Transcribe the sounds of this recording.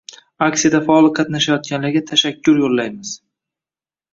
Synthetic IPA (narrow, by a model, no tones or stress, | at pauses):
aksijad̪afaɒlˠqʰɑt̪naʃajɒt̪̚kʲanlaɾɡʲat̪ʰaʃakʲʰːʊɾjolːajmɪz̥